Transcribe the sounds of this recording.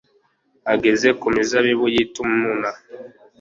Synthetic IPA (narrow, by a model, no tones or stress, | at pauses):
aɡezekumizaβiβujitumumuna